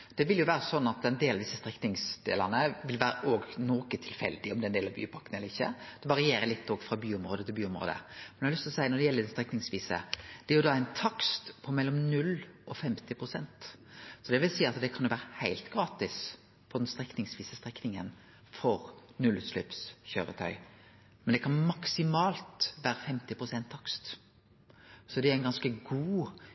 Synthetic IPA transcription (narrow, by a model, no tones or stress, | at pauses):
d̪̥ɛʋɪljʊʋæːɾəsɔnːɑt̪ɛnd̪eːlɑʋd̪ɪsːəst̪ɾɛknɪŋsd̪ḛːlɑnəʋɪlʋæːɾəʔoːɡnoːkət̪ʰɪlfɛ̰ld̪ɪɔmd̪ɛnd̪eːlɑʋby̰ːpʰɑkːənɛlːəɾɪçːə̰d̪̥ɛʋɑɾɪeːɾəlɪt̪ːoːɡfɾɑbyːʊmɾoːd̪ət̪ʰɪlbyːʊmɾo̰ːd̪ə̰mɛnjɑlʏst̪ɔsæɪənɔd̪ɛjɛlːəd̪ɛst̪ɾɛknɪŋsʋiːsə̰d̪̥ɛæɾjʊd̪ɑæɪnt̪ʰɑkst̪pʰɔmɛlːɔmnʉlːʔɔfɛmt̪ɪpʰɾʊsɛnt̪sɔd̪ɛʋɪlsiːɑt̪d̪ɛkʰɑnjʊʋæːɾəhæɪlt̪ɡɾɑːt̪ɪs | pʰɔd̪ɛnst̪ɾɛknɪŋsʋiːsəst̪ɾɛknɪŋən | fɔʁnʉlːʉt̪slœ̰psçøːɾət̪ʰœ̰ʏ | mɛnd̪ɛkʰɑnmɑksɪmɑːlt̪ʋæːɾəfɛmt̪ɪpʰɾʊsɛnt̪ʰːɑkst̪ | sɔd̪ɛæɾæɪnɡɑnskəɡuː